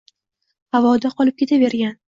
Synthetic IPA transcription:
avɒd̪aqʰɒlˠɪp̚kʲʰe̞t̪ʰabe̞ɾɡʲan

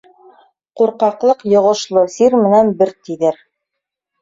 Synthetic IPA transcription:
quɾqɑqlˠɤqjŏʁŏʃlˠɤsiɾmɘ̆nænbɘɾt̪iðɘɾ

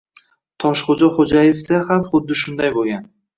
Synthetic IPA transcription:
t̪ʰɒʃχod͡ʒaχod͡ʒajefd̪ahamχʊd̪ːɪʃʊnd̪ajbolˠɡʲan

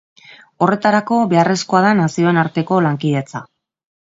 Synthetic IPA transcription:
o̞re̞t̪aɾako̞βe̞are̞sko̞aðanasio̞e̞naɾt̪e̞ko̞laŋkið̞e̞t͡sa̰

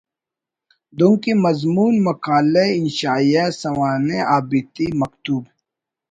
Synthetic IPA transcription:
d̪uŋkemɐzmuːnmɐkaːleinʃaːijasɐwaːneʔaːbit̪imɐkt̪uːb

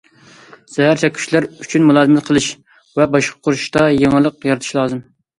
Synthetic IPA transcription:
sɛɦæɾt͡ʃ̪ʰɛkʲʰy̥ʃlæɾyt͡ʃʰynmulˠɑːzɨmɛt̪̚qʰəlˠɨʃ | vɛbɑʃqʰɑ̥qʰʊɾuʃt̪ɑjeŋɨlˠəqjɑɾɨt̪ʰʃlˠɑːzɨm

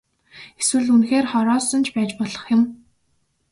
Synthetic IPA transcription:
eswɘ̆ɮunxeːrχɔɾɔːsɞ̆nt͡ɕʰpæːt͡ɕpɔɮɞ̆χjʊ̆m

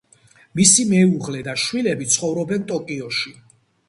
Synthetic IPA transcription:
misimɛuʁlɛd̪aʃwilɛbit̪sʰχɔvɾɔbɛnt̪ʼɔkʼiɔʃi

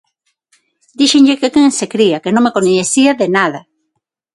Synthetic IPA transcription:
d̪iʃeŋʎekekeŋensekɾiakenõŋmekoɲeθiaðenaðɐ

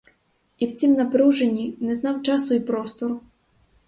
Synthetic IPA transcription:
iwt͡sʲimnɐpɾuwʒenʲːinɛznɑwt͡ʃɑsʊipɾɔst̪ɔr

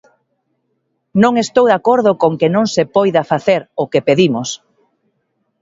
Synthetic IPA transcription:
nõŋest̪owðakoɾðʊkoŋkenõŋsepɔjðɐfaθeɾʊkepeðimʊs

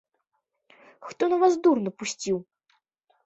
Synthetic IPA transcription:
xt̪ɔnɐvasd̪urnɐpusʲt͡sʲiw

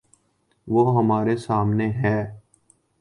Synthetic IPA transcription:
ʋoːɦəmaːɾesaːmneɦɛː

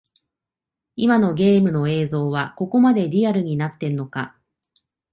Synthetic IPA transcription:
imano̞ɡe̞ːmɯ̟no̞e̞ːzo̞ːβako̞ko̞mad̪e̞ɾʲiaɾɯ̟ɲ̟inat̪ːe̞ɾɯ̟no̞ka

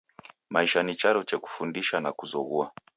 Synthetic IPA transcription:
maiʃanit͡ʃaɾɔt͡ʃɛku̥fundiʃanakuzɔɣua

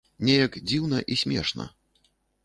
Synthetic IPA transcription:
nʲɛjɐkd͡zʲiwnɐʔisʲmʲɛ̰ʂnɐ̰

